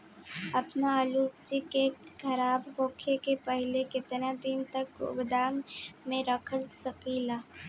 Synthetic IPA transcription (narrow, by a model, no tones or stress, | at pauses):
ɐpnaaːluːd͡ʒike | kʰɐɾaːbhoːkʰekepɛɦlekɪt̪nad̪ɪnt̪ɐkʊ̰bd̪aːmːẽɾɐkʰəlsɐkiːlaː